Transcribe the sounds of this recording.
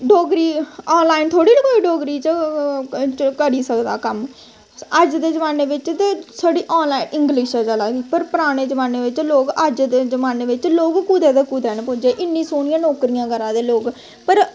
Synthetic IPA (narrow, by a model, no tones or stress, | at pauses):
ɖoːɡɾiːɔːnlaːɪnt̪ʰoːɽiːləkoːiːɖoːɡɾiːt͡ʃ | kəɾiːsəkd̪a̰ːkəm | əd͡ʒd̪eːd͡ʒəʋaːneːʋɪt͡ʃt̪eːsəɖiːʔɔːnlaːɪnʔɪŋɡliʃəd͡ʒaːlaːɡiːpəɾpəɾaːɽ̃eːd͡ʒəʋaːneːʋɪt͡ʃloːɡəd͡ʒd̪eːd͡ʒəmaːneːʋɪt͡ʃloːɡkuːd̪eːd̪eːkuːd̪ɛːnpʊd͡ʒeːʔɪnːĩːsoːɳɪjãːnoːkɾijãːkəɾãːd̪eːloːɡ | pəɾ